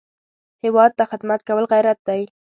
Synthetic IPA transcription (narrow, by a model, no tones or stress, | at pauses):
hɪwɑd̪̚t̪axɪd̪mat̪̚kawəlɣajɾat̪̚d̪aj